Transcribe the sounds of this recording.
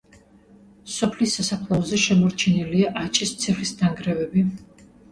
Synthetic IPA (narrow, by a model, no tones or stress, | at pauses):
sɔpʰlisːasapʰlˠaɔzɛʃɛmɔɾt͡ʃʰiniliaʔat͡ʃʼist̪sʰɛχisd̪aŋɡɾɛvɛbi